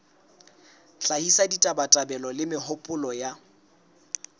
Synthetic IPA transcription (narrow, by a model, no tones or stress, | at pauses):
ɬahisaditʼabatʼabɛlɔlɪmɪɦʊpʼʊlɔja